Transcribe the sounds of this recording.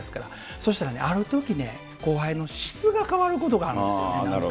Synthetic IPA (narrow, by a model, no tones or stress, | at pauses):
esɨ̥kaɾa̰ | so̞ɕi̥t̪aɾane̞̰ʔaɾɯ̟t̪o̞kʲine̞̰ | ko̞ːɦaino̞ɕi̥t͡sɨɡakaβaɾɯ̟ko̞t̪̬o̞ɡaːɾ̟esḭo̰eɾ